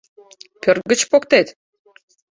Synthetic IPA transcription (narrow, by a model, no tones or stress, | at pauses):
pʲørɡə̆t͡ɕpokt̪et̪